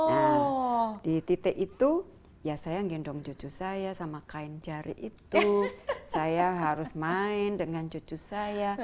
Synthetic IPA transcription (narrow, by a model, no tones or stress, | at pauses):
a | dit̪it̪ɛʔit̪u | jasajaŋɡindɔŋd͡ʒot͡ʃusajasamakaɪnd͡ʒaɾḭʔit̪usajaɦaɾʊsmaɪndəŋand͡ʒot͡ʃusaja